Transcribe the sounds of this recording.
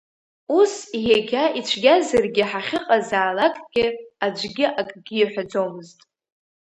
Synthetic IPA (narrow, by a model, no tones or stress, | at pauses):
usiɦeɡʲait͡ʃʷʰɡʲazarɡʲɪħaχʲɨqʼazaːlakʼɡ̥ʲɪad͡ʒʷɡʲɪʔakʼɡʲɪːħʷad͡zomɨztʼ